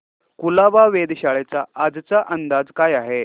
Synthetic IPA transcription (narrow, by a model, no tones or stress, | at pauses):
kulaʋaʋed̪ɕaɭet͡saad͡zt͡saʔənd̪ad͡zkajaɦe